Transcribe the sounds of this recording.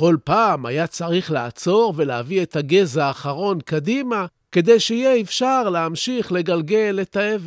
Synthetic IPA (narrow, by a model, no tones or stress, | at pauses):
χo̞lpaːmajat͡saʁiχleaat͡so̞ʁve̞leaviet̪aɡezaːχaʁo̞nkadima | ke̞d̪ejʃeijeefʃaʁlehamʃiχle̞ɡalɡe̞letaeve